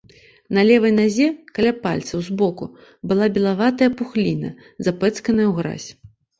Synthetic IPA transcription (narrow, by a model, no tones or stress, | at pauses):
nɐlʲɛvɐjnazʲɛkɐlʲapalʲt̪sɐwzbɔkṵ | bɨlˠabʲɛlˠavat̪ɐjɐpuxlʲinɐ̰ | zapɛt̪skɐnɐjɐwɣɾa̰sʲ